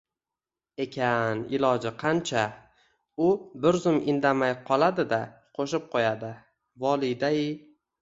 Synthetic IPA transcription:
e̞kʲʰanɪlɒd͡ʒɪqʰɑnt͡ʃʰa | ʊbɪɾzʊmɪnd̪amajqʰɒlˠad̪ɪd̪a | qʰoʃɪp̚qʰojad̪ɪ | vɒlˠijd̪ajɪ

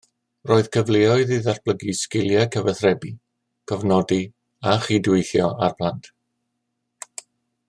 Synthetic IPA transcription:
roːɨð̥kʰəvleːɔɨðiðarb̥ləɡiskɪlˠjakʰəvɛθrɛbi | kʰɔvnɔdi | aχidwɪjθjɔʔarb̥lantʰ

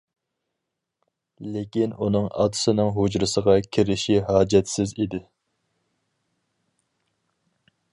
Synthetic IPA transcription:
lekʲinunɨŋɑ̰t̪ʰɨ̥sɨnɨŋɦod͡ʒɾɨsəʁɑkʲʰiɾɪʃiɦɑːd͡ʒɛt̪sɪzid̪ɪ

